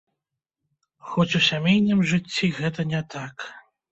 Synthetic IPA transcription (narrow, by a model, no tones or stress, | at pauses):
xɔt͡sʲusʲamʲejnʲɨmʐɨt͡sʲːiɣɛt̪ɐnʲɛt̪ak